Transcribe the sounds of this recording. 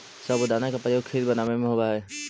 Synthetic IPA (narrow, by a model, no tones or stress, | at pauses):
sɐbod̪aːnakapɾəjoːɡkʰeːlbɐnaːʋemẽɦoːɡɐaɦɛː